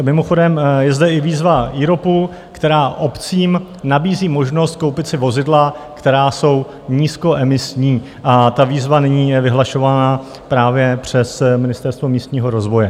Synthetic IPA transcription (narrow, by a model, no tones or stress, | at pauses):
mɪmoxo̞dɛmjɛzdɛɪviːzvaʔiɾo̞pu | kt̪ɛɾaːʔo̞pt͡siːm | nabiːziːmo̞ʒno̞st̪̚ko̞wpɪt̪sɪvo̞zɪdlakt̪ɛɾaːso̞w | ɲiːsko̞ʔɛmɪsɲiː | ʔat̪aviːzvanɪɲiːjɛvɪɦlaʃo̞vana | pɾaːvjɛpr̝̥ɛsmɪnɪst̪ɛɾst̪vo̞miːst̪ɲiːɦo̞ɾo̞zvo̞jɛ